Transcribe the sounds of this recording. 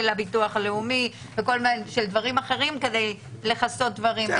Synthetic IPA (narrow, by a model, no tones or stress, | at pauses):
elabituaχaleumi | veko̞lmeʃeld̪vaʁimaχe̞ʁimke̞d̪e̞j | le̞χaso̞t̪̚d̪vaʁim